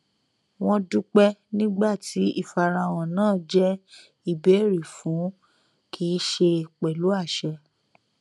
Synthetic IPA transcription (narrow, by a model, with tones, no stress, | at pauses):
w̃ɔ̃˧du˦k͡pɛ˦nĩ˦ɡ͡ba˦˨ti˨˦i˦˨fa˧ɾã˧w̃ɔ̃˨nãː˦˨d͡ʒɛ˦ | i˨be˨˦˨ɾi˨fũ˨˦ | kʰi˦ʃe˧k͡pɛ˨lu˨˦a˦˨ʃɛ˧